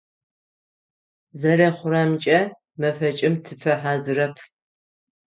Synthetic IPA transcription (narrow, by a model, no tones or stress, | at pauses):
zɐrɐχʷʊɾamt͡ʃʼɐ | mɐfɐt͡ʃʼɪmtʰɨfɐħaːzɨrɐpʰ